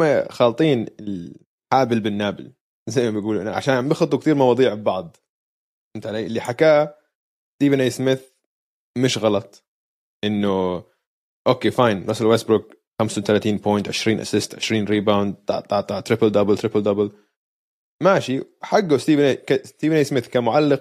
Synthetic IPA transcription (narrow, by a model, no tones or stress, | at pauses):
axɑːlt̪ˤiːnɪl | ħaːbɪlbɪnːaːbɪ̰l | zajmabjɡuːlʔɪaʕa̰ʃaːnbɪxɑt̪ˤːukt̪iːɾmɑwɑːd̪ˤiːʕbbɑʕd̪ˤ | ɪnt̪ʕaleːʔɪlːiħakaː | st̪iːvanʔajsmɪθ | mɪʃɣɑlɑt̪ˤ | ʔɪnːʊ | ʔoːkeːfajnlɑsˤɪlwest̪̚bɾʊɡ̚ | xamst̪alaːt̪iːnpojnt̪ʕɪʃɾiːnʔa̰sɪst̪ʕɪʃɾiːnɾiːbawnd̪̚t̪ɑ̰ʕt̪ˤɑʕt̪ˤɑʕt̪ɾɪpɪld̪ɑbɪlt̪ɾɪpɪld̪ɑbɪl | maʃiħaɡːast̪iːvankast̪iːvanʔejsmɪθkamʊʕalːɪq